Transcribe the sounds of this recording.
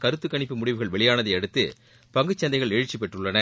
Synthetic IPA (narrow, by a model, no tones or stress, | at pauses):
kɐɾɯt̪ːɯkːɐɳɪpːɯmʊɽɪʋɯɣɐɭʋɛɭɪjaːnɐðɐɪɐɽɯt̪ːɯ | pɐŋɡɯt͡ʃːɐnd̪ɐɪɣɐɭɛɻɯt͡ʃːip̬ːɛʈrɯɭːɐnɐ